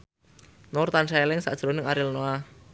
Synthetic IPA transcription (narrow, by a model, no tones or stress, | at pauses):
nɔrt̪anʃaɛlɪŋsa̰ʔd̥ʒ̥ɾonɪŋaɾilnoa